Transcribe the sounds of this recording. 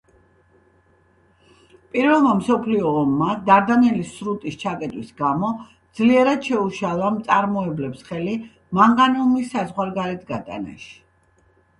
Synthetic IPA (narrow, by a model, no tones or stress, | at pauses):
pʼiɾvɛlˠmamsɔpʰliɔːmːad̪aɾd̪anɛlisɾut̪ʼist͡ʃʰakʼɛt̪ʼwisɡamɔ | d̪z̥liɛɾad̪ʃɛuʃalˠamt̪sʼaɾmɔɛblɛpsχɛli | maŋɡanɔmisːazʁwaɾɡaɾɛt̪ʰɡat̪ʼa̰na̰ʃi̥